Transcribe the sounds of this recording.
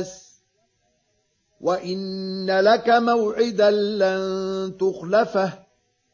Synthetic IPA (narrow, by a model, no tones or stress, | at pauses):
s | wʔaʔɪnːalakamawʕɪd̪alant̪ʊxlafah